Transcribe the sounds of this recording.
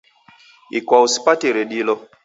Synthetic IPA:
ḭkwawusi̥patiɾeɗilɔ

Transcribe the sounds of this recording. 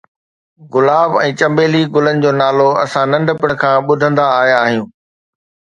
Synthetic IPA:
ɣʊlaːbɛ̃ːt͡ɕɐ̃mbeːliɡʊlənɪ̆d͡ʑoːnaːloɐsãnɐ̃ɳɖəpɪkʰãːɓʊd̪ʱə̃nd̪aːɦjaːɦijũː

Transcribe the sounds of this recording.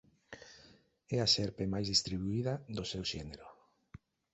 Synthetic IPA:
ɛaʃɛɾpemajzðist̪ɾiβuiðaðosewʃɛneɾo

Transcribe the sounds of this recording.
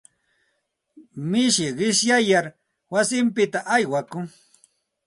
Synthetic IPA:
mɪʃɪɢɪʃjajaɾ | wasɪmpɪt̪aʔajwakʊŋ

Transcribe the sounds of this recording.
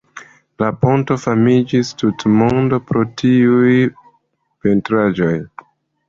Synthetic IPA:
lapo̞nto̞famid͡ʒistutmondo̞pɾo̞tiuj | pentɾad͡ʒo̞j

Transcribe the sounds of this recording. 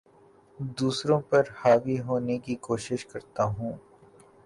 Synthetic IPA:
d̪uːsɾõpɐɾhaːʋiɦoːnekikoːʃɪʃkɐɾt̪aɦũː

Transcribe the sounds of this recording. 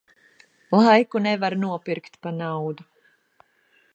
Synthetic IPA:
lˠajkunɛvaɾnuɔpiɾkt̪panawd̪u

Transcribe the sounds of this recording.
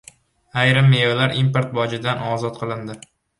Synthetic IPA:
ajɾɪmːejolaɾʔimpoɾt̪̚bɒd͡ʒɪd̪anɒzɒt̪̚qʰɨlˠɪnd̪ɪ

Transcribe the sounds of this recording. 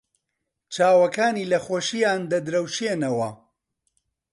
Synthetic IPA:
t͡ʃaːwɐkaːniːlɐχoːʃijaːnd̪ɐd̪ɾɐwʃenɐwɐ

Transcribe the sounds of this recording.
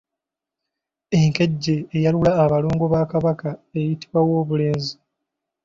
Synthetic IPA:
e̞ŋke̞ɟːe̞ːjalulaːβalo̞ːŋɡo̞βaːkaβakae̞jiti̥βwawo̞ːβule̞ːnzi

